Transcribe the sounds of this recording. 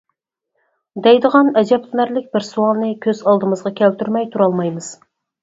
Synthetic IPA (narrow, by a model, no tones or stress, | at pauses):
d̪ɛjd̪əʁɑnɛd͡ʒɛpt̪ʰɨnæɾlɪk̚ʲbɪɾsuɑlˠnɨkʲʰøzɑlˠd̪ɨmɨzʁɑkʲʰælt̪ʰyɾmɛjt̪ʰuɾɑlˠmɑjmɨz̥